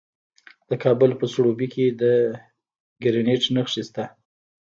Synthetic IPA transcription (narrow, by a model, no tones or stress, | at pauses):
d̪̥əkʰɑbʊlpəsɽobikʰed̪ə | ɡɪɾɪneʈnəxʂist̪a